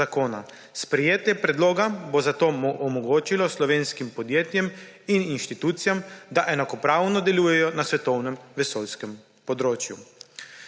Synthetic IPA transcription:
akoːna̰ | spɾɛjeːt̪jɛpɾɛd̪loːɡabozat̪oːmoʔɔmɔɡoːt͡ʃilɔslɔʋeːnskimpɔd̪jeːt̪jɛm | ininʃt̪it̪uːt̪sijamd̪aʔɛnakɔpɾaːwnɔd̪ɛluːjɛjɔnasʋɛt̪ɔwnɛmʋɛsoːlskɛm | pɔd̪ɾoːt͡ʃjṵ

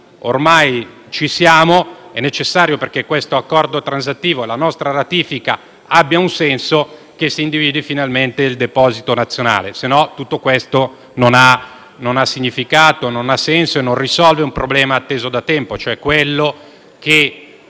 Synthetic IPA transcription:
o̰rmaj | t͡ʃisjaːmoɛnːet͡ʃesːaːɾjoperk̟ekːwest̪oakːɔrd̪ot̪ɾans̬at̪ːiːvoelanɔst̪ɾaɾat̪iːfika | abːjaunsɛnso | k̟esːiːnd̪iviːd̪ifinalment̪eild̪epɔːzit̪onat̪sːjona̰ːlesenːɔt̪ːut̪ːokwest̪o | nona | nonasːiɲːifikaːt̪ononasːɛnsoenːõnrisɔlveumpɾoblɛːmaːt̪ːeːzod̪at̪ɛmpot͡ʃoɛkːwelːo | ke

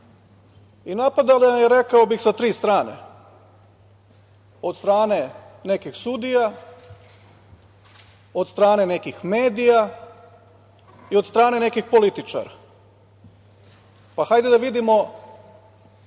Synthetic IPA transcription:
inapad̪alajeɾe̞kaobixsat̪ɾiːst̪ɾaːnḛ | o̞d̪st̪ɾaːne | ne̞kixsud̪ija | o̞d̪st̪ɾaːne̞ne̞kixme̞ːd̪ija | iod̪st̪ɾaːne̞ne̞kixpo̞lit̪it͡ʃa̰ɾa̰ | paxajd̪ed̪aʋid̪imo

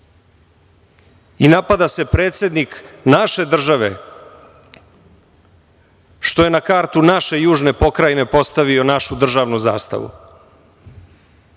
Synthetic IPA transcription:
inapad̪ase̞pɾe̞ːt̪sʲje̞d̪niknaʃe̞d̪r̩ʒaʋe̞̰ | ʃt̪o̞je̞nakaːɾt̪unaʃe̞juːʒne̞po̞kɾajne̞po̞st̪aʋio̞naʃud̪r̩ʒaːʋnuza̰ːst̪a̰ʋṵ

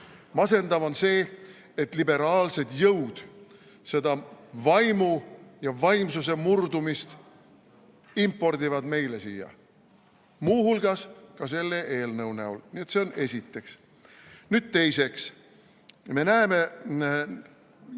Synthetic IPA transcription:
mɑse̞nd̪ɑvo̞nse̞ː | et̪ˑlibe̞ɾɑːlse̞d̪̥jɤwd̪̥ | se̞d̪ɑvɑjmujɑvɑjmsus̬e̞murd̪umist̪ | impːˑo̞rd̪ivɑd̪̥me̞jle̞siːjɑ̰ | muːhulɡ̥ɑskɑse̞lːe̞ʔe̞ːlnɤwnæulnie̞t̪se̞o̞ne̞sʲit̪ːˑe̞ks | nyd̪̥̚t̪e̞jse̞ks | me̞næeme̞

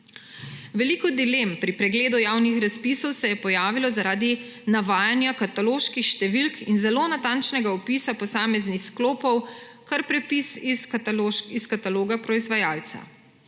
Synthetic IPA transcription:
ʋɛlikɔd̪ilempɾipɾɛɡleːd̪ujaːwnixɾaspisɔwsɛjɛpɔjaːʋilɔzaɾaːd̪i | naʋaːjanjakat̪aloːʃkixʃt̪ɛʋilkʰinzɛloːnat̪ant͡ʃnɛɡaɔpisapɔsaːmɛznixskloːpɔw | kaɾpɾɛpisi | iskat̪aloːɡapɾɔizʋajaːlt̪sa̰

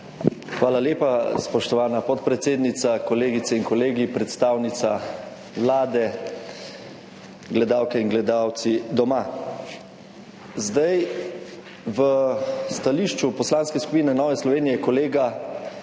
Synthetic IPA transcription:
xʋaːlaljeːpaspɔʃt̪ɔʋaːnapɔt̪pɾɛt̪seːd̪nit̪sakɔleːɡit̪sɛiŋkɔleːɡipɾɛt̪st̪aːwnit̪sa | ʋlaːd̪ɛ | ɡlɛd̪aːwkɛiŋɡlɛd̪aːwt̪sid̪ɔma | zd̪aj | ʋəst̪aliːʃt͡ʃupɔslaːnskɛsku̥piːnɛnɔːʋɛslɔʋeːnijɛkɔleːɡa

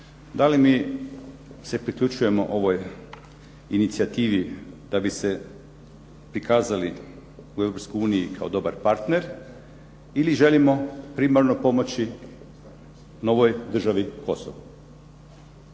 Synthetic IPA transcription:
d̪alimiː | se̞pɾikʎʲut͡ʃuje̞mo̞̰ʔo̞ʋo̞j | init̪siat̪iːʋid̪̥abise̞ | pɾikʰaːzali | ue̞ʋɾopskojuːnijikʰaod̪o̞baɾpaɾt̪ne̞ɾ | iliʒe̞limo̞pɾimaɾno̞po̞mo̞t͡ɕi | no̞ʋojd̪r̩ʒaʋikʰo̞so̰ʋu

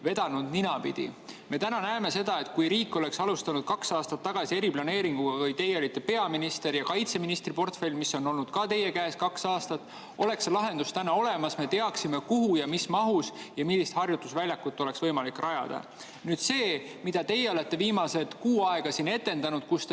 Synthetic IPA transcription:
ve̞d̪̥ɑnud̪ninɑpḭd̪̥ḭme̞t̪ænɑnæeme̞se̞d̪̥ɑe̞t̪ːkujɾiːkːˑo̞le̞ksɑlust̪ɑnud̪̥̚kɑksɑːst̪ɑt̪ːɑɡ̥ɑsie̞ɾiplɑne̞ːɾiŋɡ̥uɡ̥ɑvɤjt̪e̞jːeo̞lit̪ˑːe̞pe̞ɑminist̪e̞ɾjɑkɑjt̪se̞minist̪ripo̞rt̪felʲmisːo̞nːo̞lnud̪̥kɑt̪e̞je̞kæeːskɑksɑːst̪ɑt̪ːˑ | o̞le̞kslɑɦe̞nd̪̥ust̪ænɑo̞le̞mɑsme̞t̪e̞ɑksime̞kuɦujɑmismɑɦusjɑmilːist̪hɑrjut̪ːusvælʲjɑkːut̪ːo̞le̞ksvɤjmɑlikːˑrɑjɑ̰d̪̥ɑ̰ | nyːd̪̥se̞ː | mid̪̥ɑt̪e̞jeole̞t̪ːe̞viːmɑse̞t̪kuːɑe̞ɡ̥ɑsinːe̞t̪ːˑe̞nd̪ɑnud̪̥kust̪

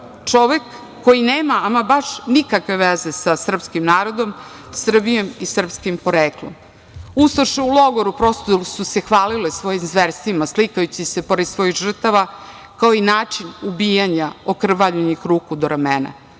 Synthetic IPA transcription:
t͡ʂo̞ʋekː | o̞jineːmaamabaʂnikakʋe̞ʋezesasr̩pskimnaːɾo̞d̪o̞m | sr̩bijo̞misr̩pskimpoɾeːklˠo̰m | ust̪oʃeulˠo̞ɡoɾupɾo̞st̪osusexʋaːlilesʋo̞jimzʋeɾst̪imaslikajut͡ɕisepo̞ɾed̪sʋo̞jiɣʒr̩t̪aʋa | kao̞inaːt͡ʂinubiːjaɲaokr̩ʋaʎuɲixɾuːkud̪oɾamena̰

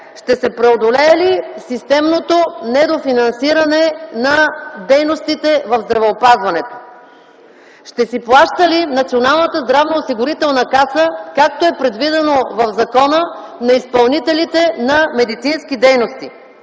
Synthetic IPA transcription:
ʃt̪ɛsɛpɾɛod̪olɛːlisist̪ɛmnot̪onɛd̪ofinɐnsiɾɐnɛnɐd̪ɛjnost̪it̪ɛvɐvzd̪ɾɐvɛopazvɐnɛt̪o̥ | ʃt̪ɛsiplˠaʃt̪əlinɐt̪sionalˠnət̪əzd̪ɾavnoːsiɡʊɾit̪ɛlˠnəkasəkak̚t̪oɛpɾɛd̪vid̪ɛnovɐvzɐkɔnə | nɐispɐlˠnit̪ɛlit̪ɛnɐmɛd̪it̪sinsk̟id̪ɛjnost̪i

